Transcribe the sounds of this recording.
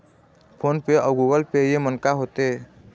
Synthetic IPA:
pʰonpeɔwɡuɡɔlpejemɔnkaɦot̪e

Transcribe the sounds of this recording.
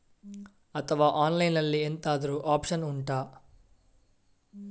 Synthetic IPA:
ɐt̪ʰɐʋaːʔaːnlɐjnɐlːient̪aːd̪ɐɾuʔaːpʂɐnuɳʈaː

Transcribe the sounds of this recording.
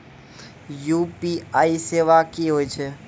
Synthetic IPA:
jupiaːiseʋakiɦoːit͡ʃʰe

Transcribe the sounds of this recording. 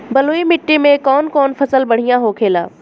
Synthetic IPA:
bɐloːimɪʈːimẽkɔːnkɔːnfʰɐsəlbɐɽ̤ijãɦokʰeːla̰ː

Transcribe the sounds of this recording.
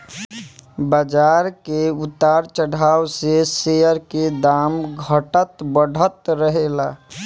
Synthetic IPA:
bəd͡ʒaːɾkeʊt̪aːɾt͡ʃəɽ̤ʱaːwsesejəɾked̪aːmɡʱəʈət̪bəɽʱət̪ɾəɦeːlaː

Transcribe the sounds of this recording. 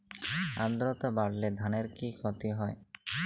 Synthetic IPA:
and̪ɾɔt̪ɔbaɽled̪ʱaneɾkikʰɔt̪iɦɔj

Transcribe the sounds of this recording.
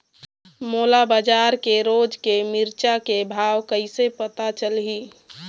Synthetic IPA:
moːlabad͡ʒaɾkeɾoːd͡ʒkemiɾt͡ʃakebʱaːwkəɪsepət̪at͡ʃəlɦi

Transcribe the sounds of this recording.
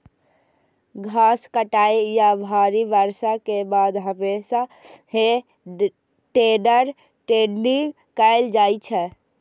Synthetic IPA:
ɡʱaskəʈajjabʱaɾiʋəɾsakebad̪ɦəmesahe | ʈenəɾ | ʈenɖiŋɡ | kəɪld͡ʒajt͡ʃʰɛ

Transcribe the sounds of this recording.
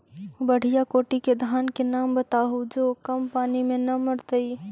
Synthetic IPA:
bəɽ̤ijakoʈiked̪ʱaːnkenambət̪aɦud͡ʒokəmpaːnimenəməɾt̪əi

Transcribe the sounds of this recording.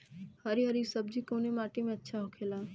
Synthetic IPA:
həɾiɦəɾisəbd͡ʒikoːnemaːʈimẽətːʃʰaɦokʰeːlaː

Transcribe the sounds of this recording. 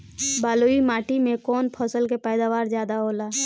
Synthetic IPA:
baːloːimaːʈimẽkɔːnpʰɔːsəlkepɛːd̪aːʋaːɾzjaːd̪aɦoːlaː

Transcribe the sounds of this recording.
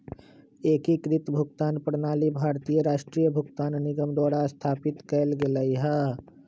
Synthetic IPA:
eːkikɾɪt̪bʱʊɡt̪aːnpɾnaːlibʱaːɾt̪iːjəɾaːʃʈɾiːjəbʱʊɡt̪aːnnɪɡəmd̪waːɽast̪ʰaːpɪt̪kəːlɡeləiɦaː

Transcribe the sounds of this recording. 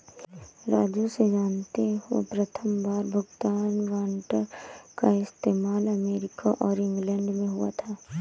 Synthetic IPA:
ɾaːd͡ʒused͡ʒaːnt̪eɦuḛpɾɐt̪ʰəmbaːɾbʱʊɡt̪aːnʋaːɳʈəɾkaɪst̪eːmaːlɐmeːɾɪkaʔɔːɾɪ̃ŋɡlɛ̃ːɳɖmẽɦua̰t̪ʰaː

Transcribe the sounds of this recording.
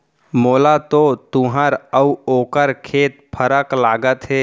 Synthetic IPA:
moːlat̪ot̪ʊɦəɾəuoːkəɾkʰeːt̪̚pʰəɾəklaːɡət̪ɦɛː

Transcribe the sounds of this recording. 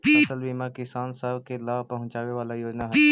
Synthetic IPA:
ɐsəlbimakɪsaːnsəbkelaːpɐɦʊ̃ɲt͡ʃaːʋeʋaːlajoːd͡ʒnaɦɛ

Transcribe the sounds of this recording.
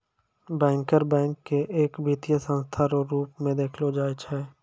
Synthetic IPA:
bɛ̃ːŋkəɾbɛ̃ːŋkːeʔeːkbʱiːt̪ijəsə̃nst̪ʰaːɾoɾuːpmẽd̪eːkʰlod͡ʒaːet͡ʃʰɛː

